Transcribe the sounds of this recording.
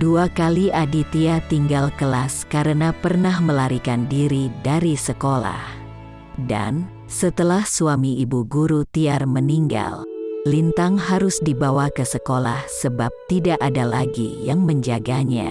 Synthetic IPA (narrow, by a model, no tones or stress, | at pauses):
duakaliʔadit̪iat̪iŋɡalkəlaskaɾənapərnahməlaɾikandiɾidaɾisəkola̰h | da̰n | sət̪əlahsuamiibuɡuɾut̪iarməniŋɡa̰llint̪aŋɦaɾʊsdibawakəsəkola̰hsəbap̚t̪idaʔadalaɡḭjaŋməɲd͡ʒaɡaɲa̰